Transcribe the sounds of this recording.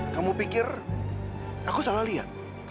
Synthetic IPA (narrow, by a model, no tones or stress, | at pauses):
kamupikɪr | akusalahliɦa̰t̪̚